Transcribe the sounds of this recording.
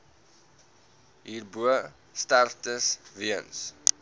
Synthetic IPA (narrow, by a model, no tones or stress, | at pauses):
ɦiːrbuə | startəsviəns